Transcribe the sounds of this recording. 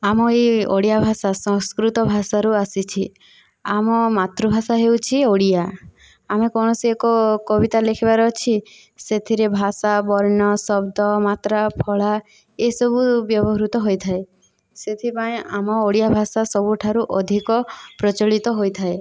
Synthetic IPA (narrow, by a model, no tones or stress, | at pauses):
amɔeoɽijabʱasasɔ̃ŋskɾut̪ɔbʱasaɾuasit͡ʃʰi | amɔmat̪ɾubʱasaɦewt͡ʃʰioɽija | amekɔñɔsiekɔkɔbit̪alekʰibaɾɔt͡ʃʰi | set̪ʰiɾebʱasabɔɾnɔsɔbd̪ɔmat̪ɾapʰɔɭa | esɔbubjɔbɔɦɾut̪ɔɦojt̪ʰae | set̪ʰipaẽamɔoɽijabʱasasɔbuʈʰaɾuʔɔd̪ʱikɔpɾɔt͡ʃɔɭit̪ɔɦojt̪ʰae